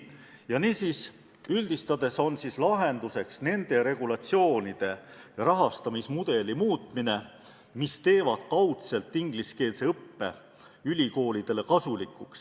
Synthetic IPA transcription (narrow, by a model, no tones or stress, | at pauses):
jɑniːsis | yld̪̥ist̪ɑd̪e̞so̞nsislɑɦe̞nd̪̥use̞ksne̞nd̪̥e̞ɾe̞ɡ̥ulɑt̪sio̞ːnid̪̥e̞rɑɦɑst̪ɑmismud̪̥e̞limuːt̪ˑmine̞ | mist̪e̞ːvɑd̪̥kɑwt̪se̞lt̪ːˑiŋɡ̥liske̞ːlse̞ɤpːe̞̰ | ylʲiko̞ːlʲid̪̥e̞le̞kɑsulikˑuks